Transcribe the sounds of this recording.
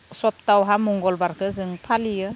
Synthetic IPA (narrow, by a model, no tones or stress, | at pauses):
sɔp̚tawɦamɔŋɡɔlbaɾkʰɯzɯŋpʰalijɯ